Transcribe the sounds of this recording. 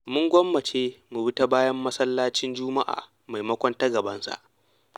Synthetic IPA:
mʊ˦ŋɡʷɔ˦mːɐ˨t͡ʃeː˦mu˨bɪ˦ta˦baː˦jɐ˦mːɐ˦sɐ˦lːaː˦t͡ʃɪ˦nd͡ʒʊː˦ma˦ʔa̰ː˨ | ma˨jmɐ˦kʷɔ˦nta˦ɡɐ˨bɐ˦nsa̰˨ʔ

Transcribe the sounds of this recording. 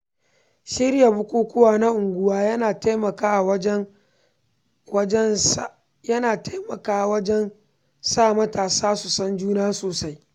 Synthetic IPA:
ʃɪ˦rja˨bʊ˦kʷuː˦kʷʊ˦waː˦na˦ʔʊ˨ŋɡʷʊ˦waː˦jɐ˦naː˨te˦mɐ˨kaː˦˨wɐ˦ | wɐ˦d͡ʒɛ˦ | jɐ˦naː˨tmɐ˨kaː˦˨wɐ˦d͡ʒɛ˦n | saː˦˨mɐ˦taː˨saː˦su˨sɐ˦nd͡ʒuː˦naː˦soː˨sa˦j

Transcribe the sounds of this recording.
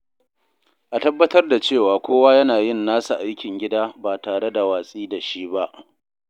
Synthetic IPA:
ʔa˨tɐ˦bːɐ˦tɐ˦rda˨t͡ʃeː˦˨waː˨kʷoː˦waː˦jɐ˦naː˨jɪ˦˨nːaː˦su˨ʔa˦jkʲɪ˨ŋɡʲɪ˦daː˦baː˨taː˨ɽe˦da˨waː˨sʼiː˦da˨ʃi˦ba˦ʔ

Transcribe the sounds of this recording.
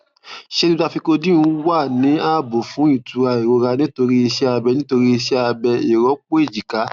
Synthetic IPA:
ʃe˦n˦a˧fi˧ko˧dĩ˦ũ˦wa˦˨nĩ˨˦a˦˨bo˨fũ˨˦i˦˨tu˨˧a˨i˨ɾo˧ɾa˧nĩ˦to˧ɾi˦i˧ʃɛ˦a˧bɛ˧nĩ˦to˧ɾi˦i˧ʃɛ˦a˧bɛ˧i˨ɾɔ˨˦k͡po˦i˦˨d͡ʒi˨ka˨˦

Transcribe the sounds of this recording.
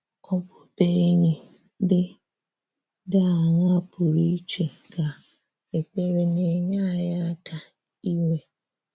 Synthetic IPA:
kɔ˦bʊ˦be˦ɲe˨ | dɪ˦ | da˦a˨ɲa˦pʊ˨ɾi˦i˦t͡ʃe˨ | ka˨ | e˨k͡pe˦ɾe˨ne˨ɲa˦˨ja˦ta˨ | i˦ŋe˦

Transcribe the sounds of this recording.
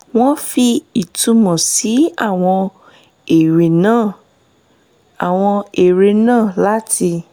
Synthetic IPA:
w̃ɔ̃˦fi˧i˨tũ˧mɔ̃˨si˨˦a˦˨w̃ɔ̃˧ | e˨ɾe˨nãː˦˨ | a˨w̃ɔ̃˧e˨ɾe˧nãː˦˨la˨˦ti˧

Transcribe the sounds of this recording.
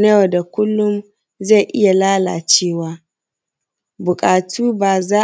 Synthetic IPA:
ne˦jo˨da˨kʷʊ˦lːʊ˦m | za˦˨ʔɪ˦ja˨laː˦la̰ː˨t͡ʃeː˦˨waː˦ | bʊ˨kʼaː˨tʰuː˦baː˨zaː˦

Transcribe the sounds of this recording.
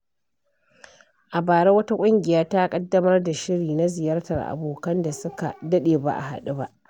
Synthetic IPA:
ʔa˨baː˨ɽe˦wɐ˦ta˦kʷʼʊ˦ŋɡʲɪ˨jaː˦ta˦kʼɐ˦dːɐ˦mɐ˦rda˨ʃɪ˦ɽiː˨na˦zɪ˨jaː˦rtɐ˨rʔa̰˨boː˨kɐ˦nda˨sʊ˦ka̰˨dɐ˦ɗeː˨ba̰˦ʔa̰˨ha̰˨ɗu˦ba˦ʔ

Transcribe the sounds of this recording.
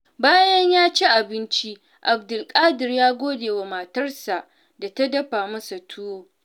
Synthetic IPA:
baː˦jɐ˦ɲjaː˦t͡ʃi˦ʔa˨bɪ˦nt͡ʃi˦ | ʔa˨bdʊ˨lkʼaː˦dɪ˨rjaː˦ɡʷoː˦deː˨wa˨ma˨tɐ˦rsa˨ʔ | da˨ta˦dɐ˦ɸaː˨mɐ˦sa˨tʰʊ˦woː˦

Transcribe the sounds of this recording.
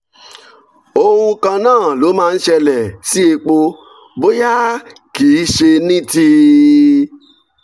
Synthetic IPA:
o˦˧hũ˧kã˧nãː˦˨lo˨˦mãː˦˧n̩˦ʃɛ˧lɛ˨si˦e˧k͡po˧ | bo˦ja˦kiː˨˦ʃe˧nĩ˦ti˧

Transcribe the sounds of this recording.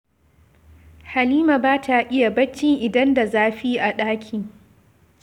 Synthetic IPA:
ha˨liː˦ma˨baː˦ta˨ʔɪ˦ja˨bɐ˦t͡ʃːɪ˦ŋʔɪ˨dɐ˦nda˨zaː˦ɸiː˦ʔa˨ɗaː˦kʲʰiː˨

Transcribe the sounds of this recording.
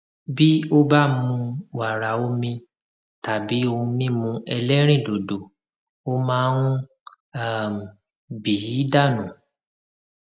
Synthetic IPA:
bi˦o˦ba˦mũ˧wa˨ɾa˨o˦mĩ˧ | ta˨bi˨˦õ˧mĩ˦mũ˧ɛ˧lɛ˦ɾ̃ĩ˦˨do˨do˨ | o˦mãː˦ñũ˦ | a˦˨m˨ | bi˨i˨˦da˦˨nũ˨

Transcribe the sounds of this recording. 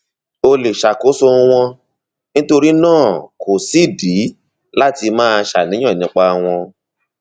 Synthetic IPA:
o˧le˨ʃa˨ko˨˦so˧w̃ɔ̃˧ | nĩ˦to˧ɾi˦nãː˦˨kʰo˨si˨˦˨di˨˦ | la˦ti˧mãː˦˧ʃa̰˨nĩ˨˦ɔ̃˦˨nĩ˨˧˦k͡pa˧w̃ɔ̃˧

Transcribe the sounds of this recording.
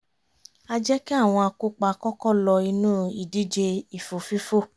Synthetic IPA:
a˧d͡ʒɛ˦ki˦a˦˨w̃ɔ̃˧a˧ku˦k͡pa˧˦˧kɔ˦kɔ˦˨lɔ˧i˧nũː˦i˨di˨˦d͡ʒe˧i˨fo˨fi˦fo˦˨

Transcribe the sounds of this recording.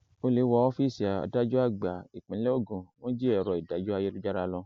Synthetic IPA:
o˧li˨˦wɔ˧˦ɔ˦fi˦˨si˨a˨a̰˨da˨˦d͡ʒu˦a˦˨ɡ͡ba˨i˨k͡pĩ˨˦lɛ˦o˦˨ɡũ˨w̃ɔ̃˦d͡ʒi˦ɛ˦˨ɾɔ˨i˨da˨˦d͡ʒu˦a˧je˦lu˦d͡ʒa˦ɾa˧lɔ̃˧

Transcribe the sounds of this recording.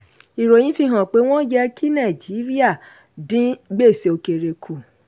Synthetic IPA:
i˨ɾo˨j̃ĩ˨˦fi˧ɦã˨k͡pe˨˦w̃ɔ̃˦d͡ʒɛ˧kʰi˦nã˦˨d͡ʒi˨˦ɾi˦a˦˨ | dĩ˨˦ɡ͡be˦˨se˨o˧ke˧ɾe˧kʰu˨

